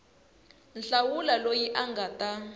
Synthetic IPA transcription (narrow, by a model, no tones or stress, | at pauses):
nɬawulalojiʔaŋɡatʼa